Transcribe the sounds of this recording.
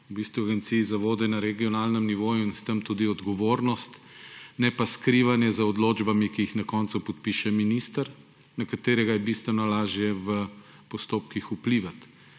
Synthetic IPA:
bist̪ʋuaɡɛnt̪siːzaʋoːd̪ɛnaɾɛɡiɔnaːlnəmniʋoːjuinst̪əmt̪ud̪iɔd̪ɡɔʋoːɾnɔst̪ | nɛpaskɾiːʋanjɛzɐɔd̪loːd͡ʒbamikiixnakɔnt̪supɔt̪̚piʃɛminist̪əɾ | nakat̪eːɾɛɡajɛbist̪ʋɛnɔlaːʒjɛʋə | pɔst̪oːp̚kixupliʋat̪

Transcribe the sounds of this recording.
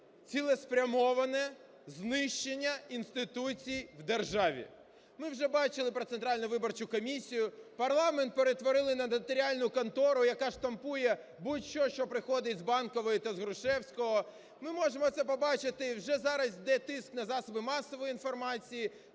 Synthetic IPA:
t͡sʲilˠɛspɾʲɐmɔʋɐnɛ | znɪʃt͡ʃenʲːɐinst̪ɪt̪ut͡sʲijwd̪erʒɑʋʲḭ | mɪwʒɛbɑt͡ʃɪlˠɪpɾɔt̪sent̪ɾɑlʲnʊʋɪbɔrt͡ʃʊkɔmʲisʲijʊpɐrlˠɑmɛnt̪̚peɾet̪ʋɔɾɪlˠɪnɐd̪t̪ɔɾʲialʲnʊkɔnt̪ɔɾʊjɐkaʃt̪ɐmpujɛ | butʲʃɔʃt͡ʃɔpɾɪxɔd̪ɪtʲzbɑnkɔʋɔjʊt̪ɐzɦɾʊʃɛwsʲkɔɦɔ | mɪmɔʒemɔt̪sɛpɔbɑt͡ʃɪt̪ɪwʒɛzɑɾɐsʲd̪ɛt̪ɪsknɐzɑsɔbɪmɑsɔʋɔjinfɔrmɑt͡sʲiji

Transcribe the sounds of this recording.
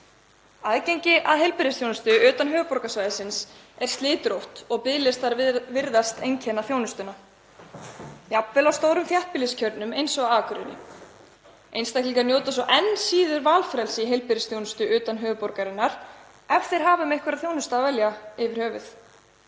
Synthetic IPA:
aðcejɲcɪʔaðɦejlpɪɾɪsθjownʏst̪ʏʏːt̪anɦœːvʏpɔɾkasvaːjðɪsɪns | ɛɾ̥st̪lɪːt̪ɾowht̪ɔɣpɪðlɪst̪aɾvɪɾðast̪ejɲcʰɛnaθjownʏst̪ʏna | japvɛlawst̪oːwɾʏmθjaht̪̚pɪlɪscʰœɾt̪nʏmejnsɔɣaaːkʏɾɪ̰nɪ̰ | ejnst̪ahkliŋkaɾnjoːwt̪as̬ɔʔɛnːsiːðʏɾvaːlfɾɛlsɪiɦejlpɪɾɪsθjownʏst̪ʏʔʏːt̪anɦœːɣʏpɔɾkaɾɪnːaɾ̥ | ɛft̪ɪɾ̥ɦaːvʏmejhkvɛɾaðθjownʏst̪aːvɛljaɪvɪɾ̥hœːvʏθ

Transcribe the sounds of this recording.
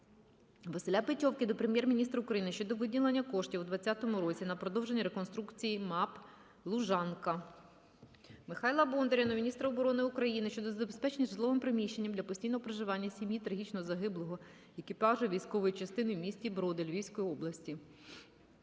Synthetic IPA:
ʋɐsɪlʲapɪtʲɔwkɪd̪ɔpɾemʲjɛrmʲinʲist̪ɾɐʊkɾɐjinɪʃt͡ʃɔd̪ɔʋɪdʲilˠenʲːɐkɔʃtʲiwd̪ʋɐt͡sʲːat̪ɔmʊɾɔt͡sʲinɐpɾɔd̪ɔwʒe̞nʲiɾekɔnst̪ɾukt͡sʲijimɑp | lˠuʒɑnkɐ | mɪxɑjlˠɐbɔnd̪eɾʲɐnɔmʲnʲist̪ɾɐɔbɔɾɔnɪukɾɐjinɪʃt͡ʃɔd̪ɔzɐbespɛt͡ʃenʲizzlˠɔʋɪmpɾɪmʲiʃt͡ʃːe̞nʲːɐmd̪lʲɐpɔsʲtʲijnɔɦɔpɾɐʒɪʋɑnʲːɐsʲimʲjit̪ɾɐɦʲit͡ʃnɔzɐɦɪblˠɔɦɔ | ekʲipɑʒʊjʋʲijsʲkɔʋɔjit͡ʃɐst̪ɪnɪmʲisʲtʲibɾɔd̪elʲʋʲiwʲsʲkɔjiɔblˠɐsʲtʲi

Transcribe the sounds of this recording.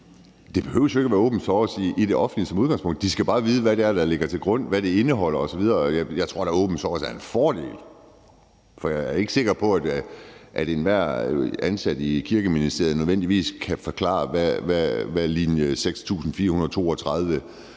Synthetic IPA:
d̥e̝b̥e̝høʊsjoe̝ɡæʋæːɐɔ̰̽ːb̥n̩sɒsiːd̥e̝ʔɒ̽fn̩d̥lisɒ̽muð̞ˠɡɑ̈ŋspɔ̽ŋ̰d̥d̥isɡ̥æb̥ɑ̈ːʋiːð̞ˠəʋæɾeæɐd̥ɑ̈le̝ɡ̥ɐt͡sʰe̝lɡ̥ʁɔ̽n̰ʋæɾ̥e̝e̝nəɦɒ̽l̰ɐɒ̽sɒ̽ʋið̞ˠɐjajɑ̈ɪt͡sʰʁo̝ɐ̰̥ɑ̈ɔ̰̽ːb̥n̩sɒːsæɐe̝nfɒːd̥e̝̰ːl | fɒ̽jɑɪæɐe̝ɡ̥se̝ɡ̥ɐpʰɒ̽æd̥ʔæd̥e̝nʋæɐ̰ænsæd̥əikʰiɐɡ̥əminisd̥e̝ɐ̰ð̩ˠnøðˠen̰d̥iʋḭːskʰæfɒ̽kʰlɑ̰̈ːʋæʋæʋælinjəseɡ̥st͡sʰṵːsn̩fiːɐhunɐð̞̩ˠt͡sʰo̝ːɒt͡sʰʁað̞ˠʋə

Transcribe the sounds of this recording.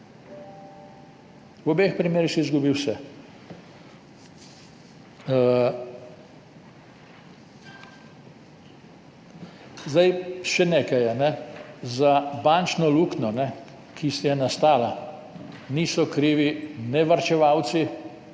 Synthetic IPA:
wɔbexpɾimeːɾixsɛizɡubiwsɛ | zd̪ajʃɛneːkajanɛzabant͡ʃnɔluknɔnɛ | kʰisɛjɛnast̪aːla | niːsɔkɾiːʋinɛʋaɾt͡ʃɛʋaw̪si

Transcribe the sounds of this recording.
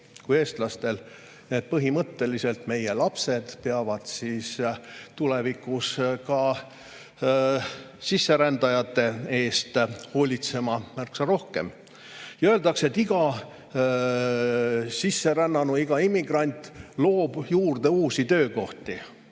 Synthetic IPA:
kuje̞ːst̪lɑst̪e̞l | ne̞ːd̪̚pɤɦimɤt̪ːe̞lise̞lt̪me̞je̞lɑpse̞d̪̥peɑvɑd̪̥sist̪ulevikˑuskɑ | sisːe̞ɾænd̪ɑjɑt̪ːˑe̞e̞ːst̪ho̞ːlʲit̪se̞mɑmærksɑɾo̞hke̞m | jɑøe̞ld̪ɑkse̞t̪ːiɡ̥ɑ | sisːe̞ɾænːɑnuiɡ̥ɑimːiɡ̥rɑnʲt̪ˑlo̞ːb̥juːrd̪̥e̞uːsit̪ø̞ːko̞ht̪i

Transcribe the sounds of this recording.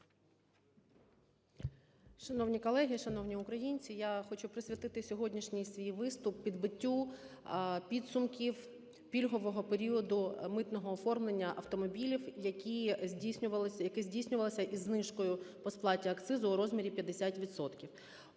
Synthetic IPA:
ʃɐnɔwnʲikɔlˠɛɦʲiʃɐnɔwnʲiʊkɾɐjinʲt͡sʲijaxɔt͡ʃʊpɾɪsʲʋʲit̪ɪt̪ɪsʲɔɦɔdʲnʲiʃnʲijsʲʋʲijʋɪst̪ʊpːʲid̪bɪtʲːu | pʲid̪sʊmkʲiw | pʲilʲɦɔʋɔɦɔpeɾʲiɔd̪ʊmɪt̪nɔɦɔːfɔrmlˠenʲːɐʔɐwt̪ɔmɔbʲilʲiwjɐkʲizʲdʲisʲnʲʊʋɐlˠjɐkɪzʲdʲijsʲnʲʊʋɐlˠɪsʲɐʔizːnɪʃkɔjʊpɔsplˠɑtʲiɐkt̪sɪzʊːɾɔzmʲiɾʲipʲjɐd̪esʲatʲʋʲid̪sɔt̪kʲiw

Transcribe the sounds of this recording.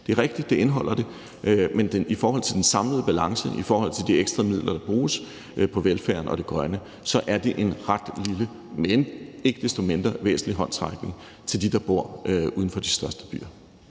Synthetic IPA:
d̥e̝æɐʁeɡ̥d̥id̥̚ːe̝e̝nɦɒ̽l̰ɐd̥e̝ | ʔmend̥enifɒːɦɒ̽l̰t͡sʰe̝ld̥ensɑ̈mləð̞̩ˠəb̥ælɑ̈ŋsəʔifɒːhɒ̽l̰t͡sʰe̝ld̥ieɡ̥sd̥ʁɑmið̰ˠlʔɐd̥ɾ̥ɑ̈b̥ʁuːs | pʰɒ̽ʋelfæɐnɒ̽ɾ̥e̝ɡ̥ʁɶnə | sɒ̽ʔæɐd̥e̝ʔe̝nʁad̥lilə | mene̝ɡ̥əd̥esd̥o̝me̝nd̥ʁɐʋḛːsn̩liɦɒ̽n̰t͡sʰʁɑɡ̥ne̝ŋ | t͡sʰe̝ld̥id̥ɑ̈b̥o̝ɐ̰uːð̞ˠən̩fɒ̽d̥isd̥ɶɐsd̥əb̥y̰ːɐ

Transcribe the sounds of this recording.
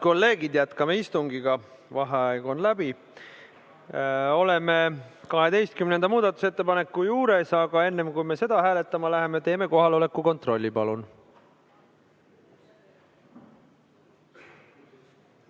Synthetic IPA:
ko̞lːe̞ːɡid̪̥jæt̪kɑmeist̪uŋɡiɡ̥ɑ | vɑɦeɑjɡonlæb̥i | o̞le̞me̞kɑɦe̞d̪e̞jst̪̚kymnend̪ɑmuːd̪̥ɑt̪ːˑuse̞t̪ːe̞pɑne̞kːujuːɾe̞sɑɡ̥ɑe̞nːe̞mkujme̞se̞d̪̥ɑɦæːle̞t̪ˑːɑmɑlæɦe̞met̪e̞ːme̞ko̞ɦɑlo̞le̞kːˑuko̞nt̪ro̞lʲːipɑlun

